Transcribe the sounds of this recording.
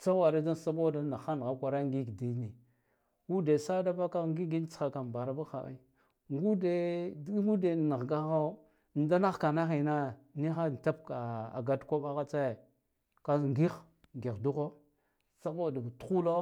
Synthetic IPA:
t͡sa˦wa˨ɾa˦da˦n˨sa˦bo˦da˦na˨xa˦n˨ɣa˦kʷa˨ɾa˦ŋ˦ɡi˦ɡdi˦ni˨ | wu˦de˨sa˦da˦ba˦ka˦ŋɡi˦ɡi˦nt͡sxa˨ka˨m˨ba˨ɾa˦ba˦xa̰˨ʔḭ˦ | ŋɡu˦de˦ŋɡu˦de˨na˨ɣɡa˦a˦˨ | da˦na˦xka˨na˦xi˨na˦ni˦xa˦n˨ta˦pka˨a̰˨ɡa˦dkʷa˦ɓa˦ɣa˦t͡sa˦je˨ | ka˦ŋɡi˦x | ŋɡi˨xdu˦ɣo˦ | sa˦bo˦˨da˨tu̥˦xu˦lo˦

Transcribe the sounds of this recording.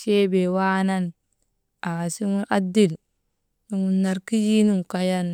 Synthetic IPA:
ʃe˦be˨wa˦na˦n | a˨si˦ŋu˦ʔa˦di˦˨l | ni˦ŋu˨nːa˨ɾki˦ji˦nu˦˨ŋ˨ka˦ja˦n

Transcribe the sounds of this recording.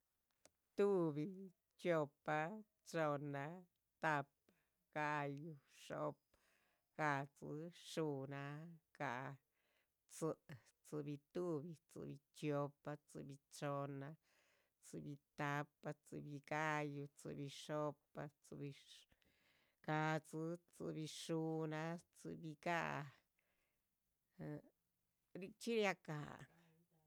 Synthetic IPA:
t̪u˦bi˧ | t͡ʃjo˧pa˧ | t͡ʃo˧na˧ | t̪a˧p | a˧ | ɡ̥a˦˧ju˧ʂo̰˧p | ɡ̥a˧ʔt͡sɨ̰˧ʂu˧na˧ɡ̥a˧ʔ | t͡sɨ˧ʔt͡sɨ˧bi˧t̪u˦bi˧t͡sɨ̰˧bi˧t͡ʃjo˧pa˧t͡sɨ̰˧bi˧t͡ʃo˧na˧ | t͡sɨ˧bi˧t̪a˧˦pa˧t͡sɨ̰˧bi˧ka˦ju˧t͡sɨ̰˧bi˧ʂo˧pa˧t͡sɨ˧bi˧ | ka˧t͡sɨ˧t͡sɨ̰˧bi˧ʂu˧na˧t͡sɨ̰˧bi˧ka̰˦˧ʔ | ɾi˧t͡ʃi˦ɾja˧ka̰˧˨

